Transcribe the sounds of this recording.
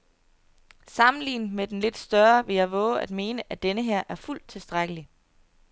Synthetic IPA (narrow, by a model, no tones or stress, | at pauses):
sɑ̈mn̩lḭːnəmed̥enle̝d̥sd̥ɶɐʋe̝jɑ̈ɪʋɔ̰̽ːʊæd̥me̝ːnəʔæd̥enəɦeɐ̰ʔæɐful̰d̥̚t͡sʰe̝lsd̥ʁaɡ̥əli